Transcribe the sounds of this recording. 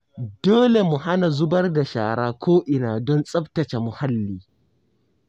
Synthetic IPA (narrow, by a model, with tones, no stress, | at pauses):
doː˦le˨mu˨ɦa˦na˨zʊ˦bɐ˦rda˨ʃa̰ː˨ɽaː˦kʷʰoː˦ʔɪ˨naː˨dɔ˦nsʼɐ˦btɐ˨t͡ʃe˨mʊ˨ha˦lːiː˦